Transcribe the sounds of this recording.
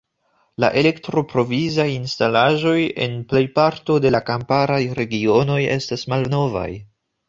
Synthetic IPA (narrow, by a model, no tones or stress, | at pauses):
la̰ʔe̞le̞ktɾo̞pɾo̞vizajinstalaʒo̞je̞̰nple̞jpaɾto̞de̞lakampaɾajɾe̞ɡio̞no̞je̞̰stasmalno̞va̰j